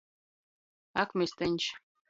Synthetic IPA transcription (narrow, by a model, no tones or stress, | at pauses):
akmest̪ɘnʲt͡ɕ